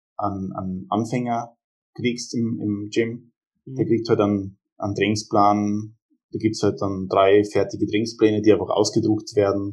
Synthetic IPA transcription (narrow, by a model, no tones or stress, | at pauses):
ʔana̰nʔa̰nfɛŋɐ | kʁiːksɪmɪ̰md͡ʒɪm | d̥eːɐɡʁiːk̚thaltan | ʔa̰ndʁɛŋŋsplaːnən | d̥aːɡiːp̚tshalt̚d̥and̥ʁaɪfɛɐtɪɡədʁɛŋsplɛːnədiːaɪnfaχʔa̰ʊsɡ̥ədʁʊktv̥eːɐdn̩